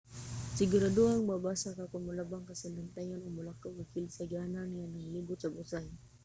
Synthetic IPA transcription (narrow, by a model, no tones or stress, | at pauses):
sɪɡʊɾaduaŋmabasakakʊnmʊlabaŋkasalant̪ajanʊɡmʊlakːawkakɪlsaɡiananŋanaŋliɡʊt̪sabʊsaj